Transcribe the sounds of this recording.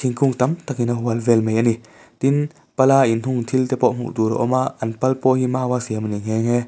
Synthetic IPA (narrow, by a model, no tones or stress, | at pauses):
t̪ʰiŋkuŋt̪ɐmt̪ak̚inɐɦuɐlvɛlmejʔani | t̪in | pɐlaːʔinn̥uŋt̪ʰilt̪ɛpɔʔm̥ṵʔt̪uːɾɔ̰ʔɔmaʔɐnpɐlpɔːhimaːwaːsiɐmɐniŋ̥ɛːŋɦɛ